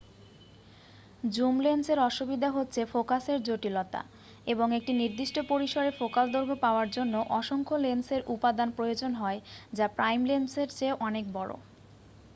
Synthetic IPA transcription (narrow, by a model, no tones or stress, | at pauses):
d͡ʑumlenseɾɔʃubid̪ʱaɦotːɕʰefokaseɾd͡ʑoʈilot̪a̰ | eboŋek̚ʈiniɾd̪iʃʈopoɾiʃoɾefokald̪oɾɡʱopaoaɾd͡ʑonːoʔɔʃoŋkʰolenseɾʔupad̪anpɾojod͡ʑonɦɔed͡ʑapɾajmlenseɾt͡ɕeʔɔnek̚bɔɽo̰